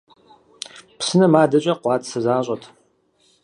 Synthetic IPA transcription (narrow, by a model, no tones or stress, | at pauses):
psɨnɐmaːdɐɕʼɐqʷɑːtsɐzaːɕʷʼɐtʰ